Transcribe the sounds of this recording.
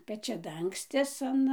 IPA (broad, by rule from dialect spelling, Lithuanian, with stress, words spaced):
pʲɛt͡ʃʲɛˈdɐŋksʲtʲɪs ɐn